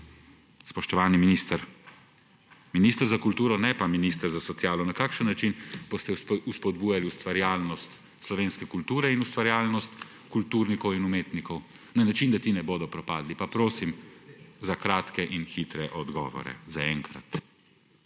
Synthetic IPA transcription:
spɔʃt̪ɔʋaːniminist̪əɾ | minist̪əɾzakult̪uːɾɔnɛpaminist̪əɾzasɔt̪sjaːlɔnakaːkʃənːat͡ʃinb̥ost̪ɛuspɔd̪buːjaliust̪ʋaɾjaːlnɔst̪ | slɔʋeːnskɛkult̪uːɾɛinust̪ʋaɾjaːlnɔst̪ | kult̪uːɾnikɔwinumeːt̪nikɔw | nanat͡ʃind̪at̪inɛboːd̪ɔpɾɔpa̰ːd̪lipapɾoːsimzakɾaːt̪kɛʔinxit̪ɾɛʔɔd̪ɡɔ̰ːʋɔ̰ɾɛ̰zaɛŋkɾa̰t̪

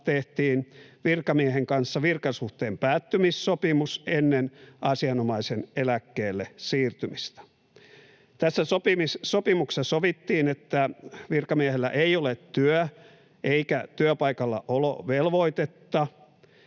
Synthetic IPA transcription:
t̪eht̪iːnʋirkɑmieɦeŋkɑnsːɑʋirkɑsuht̪eːmpæːt̪ːymisːopimusenːenʔɑsiɑnomɑisenelækːeːlːesiːrt̪ymist̪æ̥ | t̪æsːæsopimissopimuksesoʋit̪ːiːnet̪ːæʋirkɑmieɦelːæ̰ʔeiolet̪tyœ | ʔeikæt̪yøpɑikɑlːɑ̰ʔolo̰ʋelʋoit̪et̪ːɑ

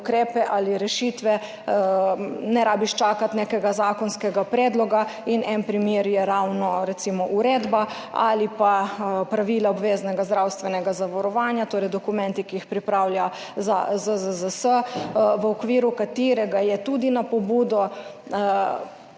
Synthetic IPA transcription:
ukɾeːpɛʔaːliɾɛʃit̪ʋɛ | nɛɾaːbiʃt͡ʃaːkat̪nekɛɡazaːkɔnskɛɡapɾɛd̪lɔɡainɛnpɾimjeɾjɛɾawnɔɾɛt̪simɔʔuɾeːd̪ba | a̰lipapɾaʋiːlaɔbʋeːznɛɡazd̪ɾawst̪ʋɛnɛɡazaʋɔɾɔʋaːnjat̪oːɾɛjd̪ɔkumɛ̃nt̪ikiixpɾipɾawlja | za̰zəzəzəsəʋəɔkʋiːɾukat̪iɾɛɡajɛt̪ud̪inapɔbuːd̪ɔ

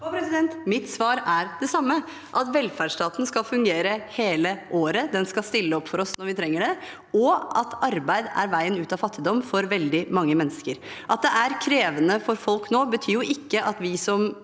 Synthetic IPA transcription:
pɾɛsɪd̪ɛnt̪mɪt̪sʋɑːɾæɾd̪ɛsɑmːə | ʔɑt̪ʋɛlfæɖʂtɑːt̪nskɑlfʉŋɡeːɾəheːləʔoːɾəd̪ɛnskɑlst̪ɪlːəɔpːfɔɾɔsnɔɾʋɪt̪ʰɾɛŋːəɖɛ | ɔɑt̪ʰɑɾbæɪd̪æ̰ɾʋæɪənʉːt̪ɑfɑt̪ʰːɪd̪ɔmfɔɾʋɛld̪ɪmɑŋːəmɛnːəskəɾ | ʔɑt̪̚d̪ɛʔæɾkʰɾeːʋənəfɔɾfɔlknoːbət̪ʰyːjʊʔɪkːəʔɑt̪ʋɪsɔm

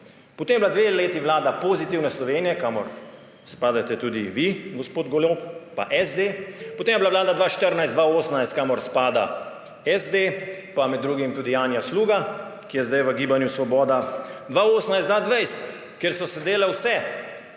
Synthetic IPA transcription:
pɔt̪emjɛblad̪ʋeleːt̪iʋlaːd̪apozit̪iwnɛslɔʋeːnijɛkaːmɔɾ | spaːd̪at̪ɛt̪uːd̪iʋiɡɔspoːd̪ɡoɔloppa̰ʔɛzd̪eːpɔt̪eːmjɛblaʋlaːd̪ad̪ʋaːʃt̪əɾnajsd̪ʋaoːsnajst̪kamɔɾspaːd̪a̰ | ɛzd̪epamɛd̪ːɾuːɡimt̪ud̪ijaːnjasluːɡakijɛzd̪ajʋəɡiːbanjusʋɔbɔːd̪ad̪ʋaoːsnajsd̪ʋaːd̪ʋɛjst̪ | keɾsɔsɛd̪eːlɛwsɛ

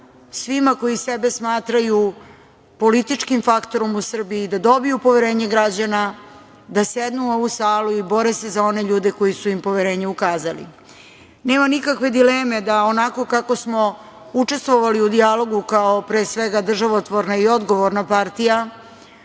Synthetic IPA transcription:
sʋimako̞jise̞be̞smaːt̪ɾaju | po̞lit̪it͡ʂkimfakt̪o̞ɾo̞musr̩biid̪ad̪o̞bijupo̞ʋeɾe̞ːɲeɡɾad͡ʑana | d̪ase̞d̪nuoʋusaːluibo̞ɾese̞zao̞ne̞ʎuːd̪e̞ko̞jisuimpo̞ʋeɾe̞ːɲeukaːzalḭ | ne̞ːmanikakʋe̞d̪ileːme̞d̪aonako̞kako̞smo̞ | ut͡ʂe̞st̪ʋo̞ʋaliud̪ialo̞ɡukaopɾeːsʋeɡad̪r̩ʒaʋot̪ʋo̞ɾnaio̞d̪ɡo̞ʋoɾnapaɾt̪ija

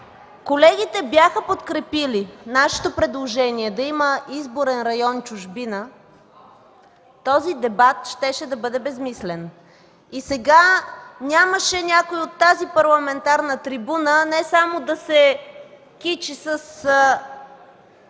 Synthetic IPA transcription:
kolɛɡ̟ʲit̪ɛbjaxəpot̪kɾɛpilinaʃɛ̥t̪opɾɛd̪lˠoʒɛniɛd̪ɐiməizboɾɛnɾɐjɔnt͡ʃʊʒbinə | t̪ɔzid̪ɛbat̪ʃt̪ɛʃɛd̪ɐbɤd̪ɛbɛzmislɛn | isɛɡanʲaməʃɛnʲakoiot̪ːazipɐɾlˠɐmɛnt̪aɾnət̪ɾibunənɛsamod̪ɐsɛ | kit͡ʃisəs

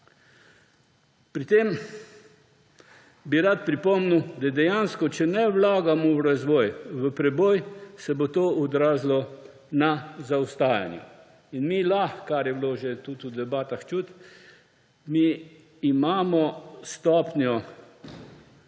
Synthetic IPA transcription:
pɾit̪eːm | biɾat̪pɾipɔmnud̪ad̪ɛjanskɔt͡ʃɛnɛwlaːɡamɔwɾazʋɔːjʋəpɾɛboːjsɛbot̪oːʔɔd̪ɾaːzlɔ | nazawst̪aːja̰njṵ | inmilaxkaɾjɛbloːʒet̪ut̪ud̪ɛbaːt̪axt͡ʃut̪ | miː | maːmɔst̪ɔpnjɔ

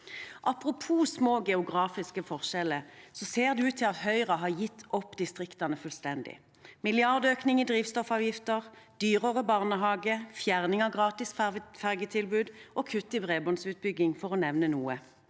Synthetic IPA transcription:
ʔɑpʁʊpʰuːsmoːɡɛʊɡʁɑːfɪskəfɔʁʃɛləsɔseːʁd̪ʉʉːt̪ʰːɪlɑt̪hœʏʁəɦɑʁjɪt̪ʰːɔpːd̪ɪst̪ʁɪkt̪ɑnəfʉlst̪ɛnd̪ɪ̰ | mɪlɪɑʁd̪øːknɪŋɪd̪ʁiːʋst̪ɔfɑːʋjɪft̪əʁd̪̥yːʁəʁəbɑʁnəɦɑːɡəfjæʁnɪŋɑʋɡʁɑːt̪ɪsfæʁɡət̪ʰɪlbʉːd̪ʔɔkʰʉt̪ːɪbʁeːbɔnsʉːt̪̚bʏɡɪŋfɔʁɔnɛʋnənuːə

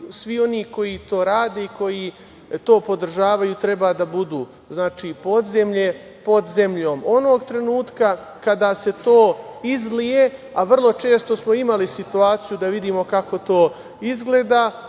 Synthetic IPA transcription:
sʋio̞niːko̞jit̪o̞ːɾaːd̪e̞iko̞ji | t̪o̞ːpo̞d̪r̩ʒaːʋajut̪ɾe̞baːd̪abud̪uː | znaːt͡ʃiːpo̞d̪zemʎe̞ | po̞d̪ze̞mʎo̞ːmonoɡt̪ɾe̞nuːt̪ka | kad̪aːse̞t̪o̞ːizɡlije̞ | aʋr̩lˠo̞t͡ʃe̞ːst̪o̞smo̞imalisit̪uaːt̪sijud̪aʋid̪iːmo̞kako̞t̪o̞ː | izɡle̞ːd̪aː

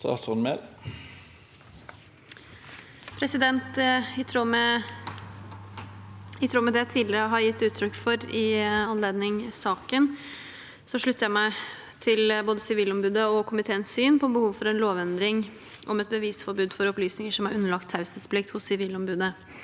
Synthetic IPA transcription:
sɑ̰sɔnmḛɾ | pʰɾɛsɪd̪ɛnt̪ɪt̪ʰɾuːmɛ | ɪt̪ʰɾuːmɛd̪ɛæt̪ʰiːlɪɾəɦɑɾjɪt̪ːʉːt̪ʰɾʏkːfɔɾɪɑnleːd̪nɪŋsɑːkən | sɔʂɭʉt̪ʰːəɾjæmæɪ | t̪ʰɪlboːd̪əsɪʋiːlɔmbʉːd̪əɔkʰʊmɪt̪ʰeːənssyːnpʰɔbəhuːʋfɔɾɛnloːʋɛnd̪ɾɪŋ | ʔɔmɛt̪̚bəʋiːsfɔɾbʉːd̪fɔɾɔplyːsnɪŋəʂɔmɑɾʉnːəɭɑk̚t̪ʰːɑʉsəsplɪk̚t̪hʊsːɪʋiːlɔmbʉːd̪ə

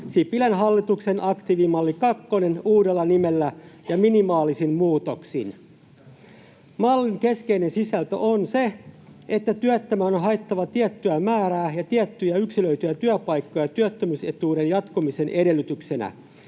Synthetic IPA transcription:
sipilænɦɑlːit̪uksenʔɑkt̪iʋimɑlːikɑkːonenuːdelːɑnimelːæjɑminimɑːlisinmuːt̪oksḭn | mɑlːiŋkeskeinensisælt̪ø̰ʔonseet̪ːæt̪yæt̪ːømæːonɦɑet̪ːɑʋɑt̪iæt̪ːyæmæːɾæːjɑt̪iæt̪ːyjæyksiløyt̪yjæt̪yæpɑjkːojɑt̪yæt̪ːømyset̪uːɾenjɑt̪kumisenʔede̞lːyt̪yksenæ̰

